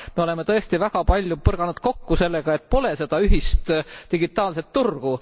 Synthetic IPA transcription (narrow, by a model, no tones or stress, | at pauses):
me̞o̞le̞met̪ɤ̞e̞st̪ivæɡ̥ɑpɑlʲjupɤrɡ̥ɑnud̪̥ko̞kːuse̞lːeɡ̥ɑe̞t̪̚ːˑpo̞le̞se̞d̪̥ɑyɦist̪t̪iɡit̪ːˑɑːlset̪ːurɡ̥u